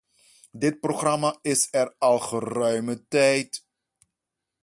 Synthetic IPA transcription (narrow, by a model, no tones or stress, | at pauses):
dɪt̚proχrɑmaɪsɛrɑlˠχərœɥmətɛjt